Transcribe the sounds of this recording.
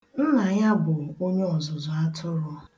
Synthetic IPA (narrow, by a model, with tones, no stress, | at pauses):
n̩˦na˨ɲa˦bʊ˨o˦ɲe˦ɔ˨zʊ˨zʊ˨a˦tʰʊ˦ɾʊ˦